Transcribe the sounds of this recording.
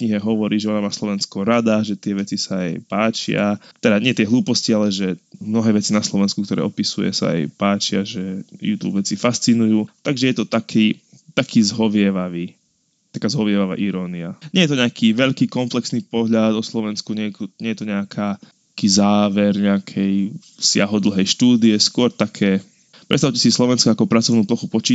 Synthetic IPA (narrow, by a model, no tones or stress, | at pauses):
kɲiɦɛɦɔʋɔɾiːʒɛɔnamaːslɔʋɛnskɔɾad̪aʒɛt̪ɪɛʋɛt͡sisaːa̰jpaːt͡ʃɪa̰t̪ɛd̪aɲɪɛt̪ɪɛɦlˠuːpɔscialɛʒɛmnɔɦɛːʋɛt͡sinaslɔʋɛnskukt̪ɔɾɛ̰ːɔpisujɛ̰sa̰a̰jpaːt͡ʃɪaʒɛjṵt̪ṵbʋɛt͡sifast͡sinujuːt̪aɡʒɛjɛt̪ɔt̪akʰiː | t̪akiːzɦɔʋɪɛʋaʋiː | t̪akaːzɦɔʋɪɛʋaʋa̰ːʔiɾɔːniaɲɪɛjɛt̪ɔɲɛakʰiːʋɛʎkiːkɔmplɛksniːpɔɦʎad̪ɔslɔʋɛnskuɲɛjɛkɲɛjɛt̪ɔɲɛakʰaː | kiːzaːʋɛɾɲɛakʰɛj | sɪaɦɔd̪l̩ɦɛjʃt̪uːd̪iɛskʊɔɾt̪akʰɛː | pɾɛ̰tst̪aʊcɛsislɔʋɛnskɔakɔpɾat͡sɔʊnuːplɔxupɔt͡ʃiː